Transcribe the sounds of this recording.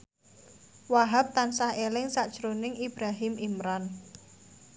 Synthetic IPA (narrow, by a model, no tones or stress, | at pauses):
waɦap̚t̪ansahelɪŋsaʔd̥ʒ̥ɾonɪŋib̥ɾaɦɪmimɾan